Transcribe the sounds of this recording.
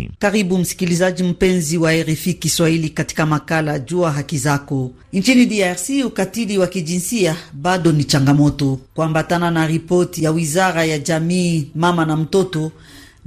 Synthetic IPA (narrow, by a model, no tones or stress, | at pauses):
kaɾibum̩si̥kilizad͡ʒim̩pɛnziwaɛɾɛfikiswailikati̥kamakalad͡ʒuaɦakizakɔ | nt͡ʃinidiaʁsiukatiliwakid͡ʒinsiabaɗɔnit͡ʃaŋɡamɔtɔkuambatananaɾipɔɾtijawizaɾajad͡ʒamiːmamanam̩tɔtɔ